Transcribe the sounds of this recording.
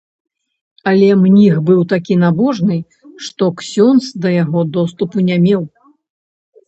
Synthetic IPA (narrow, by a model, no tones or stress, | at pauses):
ɐlʲɛmnʲixbɨwt̪akʲin̪abɔʐnɨ | ʂt̪ɔksʲɔnsd̪ɐjaɣɔd̪ɔst̪upunʲamʲɛw